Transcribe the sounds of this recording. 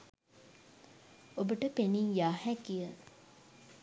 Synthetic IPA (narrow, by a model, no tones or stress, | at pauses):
obəʈəpenijaːhækijə